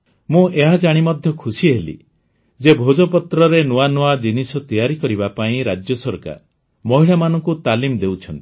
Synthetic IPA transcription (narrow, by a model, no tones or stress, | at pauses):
mũʔeɦad͡ʒaɽ̃imɔd̪ʱjɔkʰusiɦelḭ | d͡ʒebʱod͡ʒɔpɔt̪ɾɔɾenuanuad͡ʒinisɔt̪ijaɾikɔɾibapaĩɾad͡ʒjɔsɔɾka̰ɾ | mɔɦiɭamanɔ̃ŋkut̪alimd̪ewt͡ʃʰɔnt̪i̥